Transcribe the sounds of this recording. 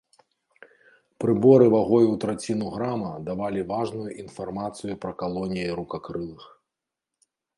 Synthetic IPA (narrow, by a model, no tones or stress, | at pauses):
pɾɨbɔɾɨvaɣɔjuwt̪ɾat͡sʲinuɣɾamɐd̪avalʲivaʐnujuʔinfarmat̪sɨjupɾɐkalˠɔnʲijɐjɾukakɾɨlˠɨx